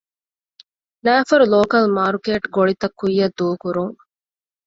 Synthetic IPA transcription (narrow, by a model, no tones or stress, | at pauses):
næːfɐɾuloːkɐlmaːɾkeːʈɡoɭit̪ɐkːujːɐd̪uːkuɾuŋ